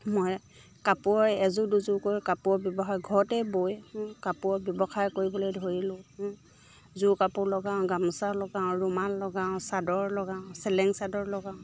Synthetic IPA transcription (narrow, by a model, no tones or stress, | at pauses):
moj | kapuɔɹɛzʊduzʊkojkapʊɔbjɔbɔxajɡʱɔɹtɛbojhkapʊɔbjɔbɔxajkoɹibɔlojdʱoɹilʊ̃h | zukapʊlɔɡãʊ̃ɡamsalɔɡãɹumalːɔɡãʊ̃sadɔɹlɔɡaʊ̃sɛlɛŋsadɔɹlɔɡãʊ̃